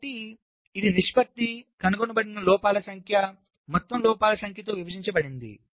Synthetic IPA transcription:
ʈi | id̪iniʂpɐt̪ːikɐnuɡonɐbɐɽinɐlɔːpaːlɐsɐŋkʰjɐ | mɔt̪ːɐmlɔːpaːlɐsɐŋkʰjɐt̪oːʋiʋɐʃiɲt͡ʃɐbɐɽind̪ḭ

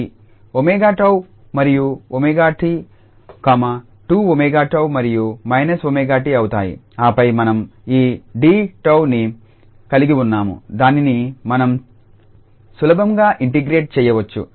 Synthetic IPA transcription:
omɛːɡaːʈɐw | mɐɾijuomeːɡaːʈi | kaːmɐ | ʈuːomeːɡaːʈɐwmɐɾijumɐjnɐsomeːɡaːʈiɐwut̪a̰ːjḭ | aːpɐjmɐnɐmiːɖiːʈɐwni | kɐliɡiunːaːmṵd̪aːninimɐnɐm | sulɐbɐmɡaːʔiɳʈiɡɾeːʈ̚t͡ʃɛːjɐʋɐt͡ʃːṵ

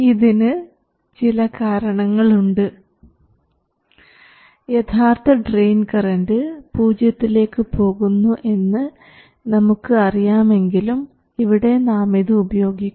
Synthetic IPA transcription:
iðinɨ | t͡ɕilɐkaːɾɐɳɐŋːɐɭuɳɖɨ | jet̪ʰaːrt̪ɐɖrejnkɐrɐndɨpuːd͡ʑjɐt̪ːile̞ːkːɨpo̞ːɣunːuʔe̞nːɨ | nɐmukːɨɐrijaːme̞ŋɡilum | iʋiɽe̞naːmeðɨːbɐjo̞ːɡikːu

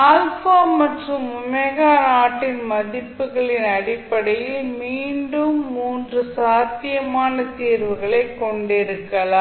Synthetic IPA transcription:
aːlfaːmɐʈrɯmʊmɐɣaːɾaːʈːɪnmɐðɪpːɯɣɐɭɪnɐɽɪpːɐɽɐjɪlmiːɳɖɯmːuːndrɯsaːt̪ːɪjɐmaːnɐt̪iːɾʋɯɣɐɭɐɪkːɔɳɖɪɾɯkːɐlaː

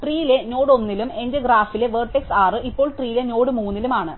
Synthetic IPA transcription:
ʈriːjile̞no̞ːɽo̞nːilume̞ndeɡɾaːfile̞ʋeːrʈːe̞ksaːrɨʔippːo̞ːɭʈriːjile̞no̞ːɽɨmuːnːilumaːɳɨ

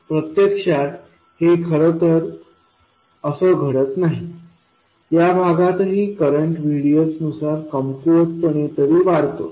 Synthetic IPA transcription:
pɾət̪jəkʂat̪ | hekʰəɾət̪əɾ | əsəɡʱəɽət̪naɦi | jabʱaɡat̪ɦiːkəɾəɳʈʋʱiɽijosnusaɾkəmfoɾʈ̪pəɳ̃et̪əɾiːʋaɾt̪o̰

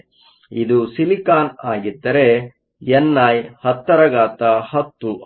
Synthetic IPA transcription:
id̪usilikaːnaːɡid̪ːɐɾe | jɛnːaːjhɐt̪ːɐɾɐɡaːt̪ɐhɐt̪ːu

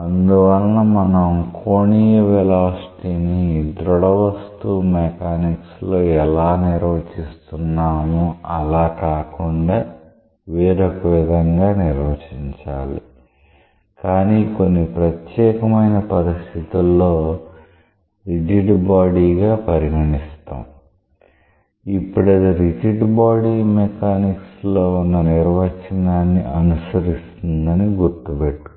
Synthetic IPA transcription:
ɐnd̪uʋɐlːɐmɐnɐmkʰoːnijɐʋɛlaːsʈiːnid̪ɾɔɽɐʋɐst̪umekaːnikslo̞ːɛlaːniɾʋɐt͡ʃist̪unːaːmuɐlaːkaːkuɳɖaː | ʋiːɾɐkɐʋid̪ʱɐŋɡaːniɾʋɐt͡ʃiɲt͡ʃaːlḭ | kaːniko̞nːipɾɐt̪jɛːkɐmɐjnɐpɐɾist̪ʰit̪ulːo̞ː | ɾid͡ʒiɖbaːɽiːɡaːpɐɾiɦɐɳist̪ṵːm | ipːuɽɐd̪iɾid͡ʒiɖbaːɽiːmɛkaːnikslo̞ːunːɐniɾʋɐt͡ʃɐnaːnːiʔɐnusɐɾist̪und̪ɐniɡuɾt̪ubeʈːu̥

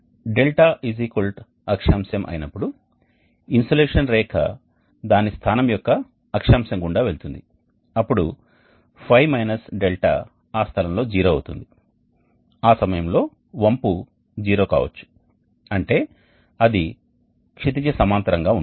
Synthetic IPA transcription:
ɖe̞lʈaːizikulʈ | ɐkʂaːmsɐmʔɐ̰jinɐpːuɽu | insoleːʂɐnɾɛːkʰɐ̰ | d̪aːnist̪ʰaːnɐmjɔkːɐː | kʂaːmsɐŋɡuɳɖaːʋe̞ɭut̪und̪i | ɐpːuɽu | pʰɐjmɐjnɐsɖelʈa̰ | aːst̪ʰɐlɐmlo̞ːd͡ʒiːɾoːɐ̰wt̪ṵnd̪i | aːsɐmɐjɐmlo̞ː | ʋɐmpu | d͡ʒiːɾo̞ːka̰ːʋɐ̰t͡ʃːu̥ | ɐɳʈe̞ː | ɐd̪i | kʂit̪̬it͡ʃɐsɐmaːnt̪ɐɾɐŋɡaːu

